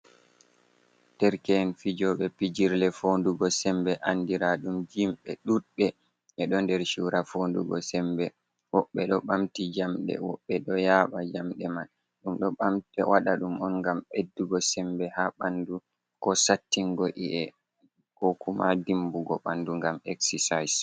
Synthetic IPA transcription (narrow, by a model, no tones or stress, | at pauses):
d̥ɛɾkɛnfid͡ʒɔɓɛpid͡ʒiɾlɛfonduɡɔsɛmbɛʔandiɾaɗumd͡ʒimɓɛɗuɓɛ | ʔɛɗɔndɛɾʃuɾafonduɡɔ̰sɛmbɛ | wɔɓːɛɗɔɓamtid͡ʒamɗɛ̰wɔɓːɛɗɔjaːɓad͡ʒamɗɛman | ɗumɗɔɓamtɛwaɗaɗumɔnŋɡamedːuɡɔsɛmbɛhaɓandu | kɔsatːiŋɡɔʔiʔɛ | kɔkumadimbuɡɔɓanduŋɡamɛksɛsajs